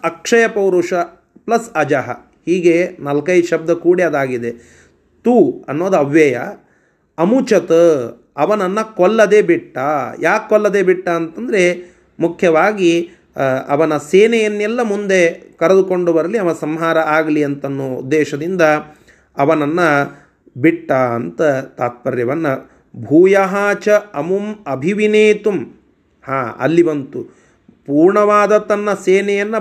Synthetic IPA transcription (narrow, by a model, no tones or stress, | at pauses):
ɐkʂɐjɐpɐwɾuʂɐ | plɐsɐd͡ʒɐɦɐ̰ | hiːɡenɐlkɐjʃɐb̚d̪ɐkuːɽiɐd̪aːɡid̪e̞ | t̪uɐnːoːd̪uɐʋjɐjɐ | ɐmut͡ʃɐt̪ | ɐʋɐnɐnːɐkɔlːɐd̪eːbiʈːɐjʔaːkːɔlːɐd̪eːbiʈːɐːnt̪ɐnd̪ɐɾe̞ | mukʰjɐʋaːɡi | ɐ̰ʋɐnɐseːnɛjɐnːɛlːɐmund̪e̞kɐɾɐd̪ukoɳɖuʋɐɾɐliɐʋɐsɐmɦaːɾɐaːɡɐliɐnt̪ɐnːuṵd̪ːɛːʃɐd̪ind̪ɐ | ɐʋɐnɐnːɐ | biʈːaːɐ̰nt̪ɐt̪aːt̪̚pɐɾjɐʋɐnːɐ | bʱuːjɐɦaːt͡ʃɐɐmumɐbʱiʋineːt̪um | haːɐ̰lːibɐnt̪u | puːɾɳɐʋaːd̪ɐt̪ɐnːɐseːnɛjɐnːɐ